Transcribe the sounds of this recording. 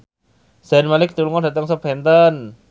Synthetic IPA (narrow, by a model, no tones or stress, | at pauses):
sɛnmalɪk̚t̪ulŋɔdat̪aŋsəpɛnt̪ən